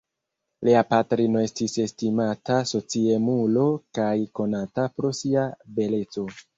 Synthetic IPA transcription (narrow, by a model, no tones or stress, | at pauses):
liapatɾino̞e̞stise̞stimataso̞t͡siemulo̞kajko̞natapɾo̞siabe̞le̞t͡so̞